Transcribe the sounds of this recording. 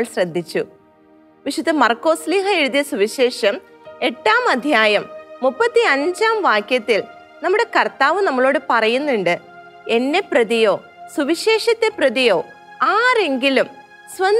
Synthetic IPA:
ɭsrɐd̪ʱːit͡ɕːu | ʋiʂud̪ɐmɐrko̞ːsliːhɐeɻuðjɐsuʋiɕe̞ːʂɐm | e̞ʈːaːmɐd̪ʱjaːjɐmːupːɐt̪ːiɐɲd͡ʑaːmʋaːkjɐt̪ːil | nɐmːuɽe̞kɐrt̪aːʋɨnɐmːɐɭo̞ːɽɨpɐrɐjunːuɳɖɨ | e̞nːe̞prɐðijo̞ː | suʋiɕe̞ːʂɐt̪ːe̞prɐðijo̞ː | aːre̞ŋɡilum | sʋɐn

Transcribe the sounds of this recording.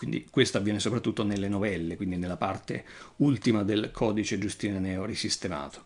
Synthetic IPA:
kwind̪ḭkwest̪oavːjɛːnesopɾat̪ːut̪ːonelːenovɛlːekwind̪inelːapart̪ḛult̪imad̪elkʰɔːd̪it͡ʃed͡ʒust̪inanɛːorisist̪ema̰ːt̪o̥

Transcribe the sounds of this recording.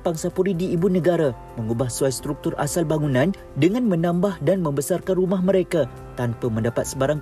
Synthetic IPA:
paŋsapuɾidiːbunəɡaɾa | mə̃ŋubahsuajst̪ɾuk̚t̪ʊrʔa̰salbaŋunãn | dəŋãnmə̃nãmbahdanmə̃mbəsarkanrumaɦmə̃ɾeka | t̪anpamə̃ndapat̪̚səbaɾaŋ

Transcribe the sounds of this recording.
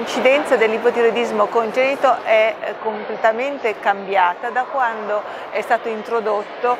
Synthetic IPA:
nt͡ʃid̪ɛnt̪sad̪elːipot̪eɾod̪izmokont̪ɛniːt̪oʔɛkːomplet̪ament̪ekambjaːt̪ad̪akːwand̪o | ɛst̪aːt̪oint̪ɾod̪ot̪ːo

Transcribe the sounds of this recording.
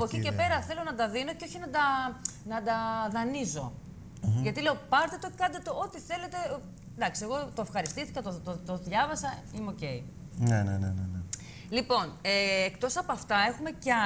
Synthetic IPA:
ɐpoecice̞pe̞ɾɐθe̞lo̞nɐd̪ɐðino̞ceo̞çinɐd̪ɐnɐd̪ɐðɐnizo̞̰ | ʝɐt̪ileo̞pɐɾt̪et̪o̞kɐnd̪et̪o̞ot̪iθe̞le̞t̪e̞ | d̪ɐksie̞ɣo̞t̪oefxɐɾist̪ist̪i̥kɐt̪oot̪oðʝɐvɐsɐimeoce̞jnenḛnḛnene | lipo̞neːkt̪o̞sɐpoɐft̪ɐe̞xume̞c

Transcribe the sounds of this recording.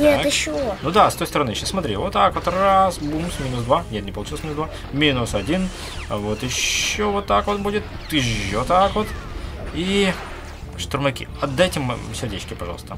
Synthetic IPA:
nʲeɪɕːnud̪ast̪o̞jst̪əɾɐnɨɪɕːasmɐt̪ɾʲivot̪ːakvot̪rasbumsmʲinʊsd̪vanʲet̪nʲɪpəlˠʊt͡ɕilˠsmʲinsd̪va | mʲinʊsɐdʲin | vot̪ɪɕːovot̪ːakvot̪̚budʲɪt̪ | jɪɕːot̪akvot̪ | i | ʂt̪ʊɾmɐkʲḭɐd̪ːajtʲɪmsʲɪrdʲḛt͡ɕkʲɪpɐʐɑ̰lˠst̪ə̰

